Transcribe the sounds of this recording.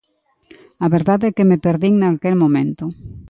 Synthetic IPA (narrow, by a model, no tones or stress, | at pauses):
aβeɾðaðɛkemepeɾðiŋnakelmomẽnt̪ʊ